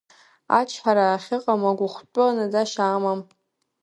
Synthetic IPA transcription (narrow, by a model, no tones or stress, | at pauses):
a̰t͡ʃʰħaɾaːχʲɪqʼamaɡʷʊχʷt͡pʼʊanad͡zaʃaːmam